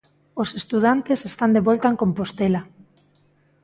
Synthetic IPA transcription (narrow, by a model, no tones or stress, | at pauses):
osest̪uð̞ant̪esest̪and̪eβɔlt̪aeŋkõmpost̪ela